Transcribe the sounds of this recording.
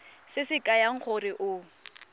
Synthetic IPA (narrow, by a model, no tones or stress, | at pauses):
sɪsɪkʼajaŋ̩χʰʊrɪʔʊ